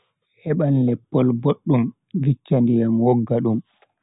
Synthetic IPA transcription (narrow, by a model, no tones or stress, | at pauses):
hɛɓanlɛpːɔlboɗːum | vit͡ʃːandijamwɔɡːaɗum